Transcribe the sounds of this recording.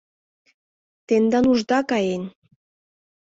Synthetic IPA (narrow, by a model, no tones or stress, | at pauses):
t̪end̪ɑnuʒd̪ɑkɑjen